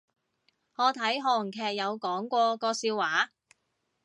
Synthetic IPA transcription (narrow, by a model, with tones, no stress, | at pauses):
hɔː˨˧t̪ʰɐ˨˥jɦɔː˧ŋ̩˨˩kʰɛː˨˧k̚jɐ˨˧wkɔː˨˥ŋkʷɔː˧kɔː˧siː˧wːaː˨˥